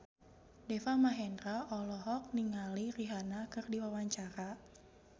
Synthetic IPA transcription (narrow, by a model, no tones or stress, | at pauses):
dɛfamaɦɛndraʔɔlɔɦɔk̚niŋaliriɦanakɨrdiwawaɲt͡ʃaɾa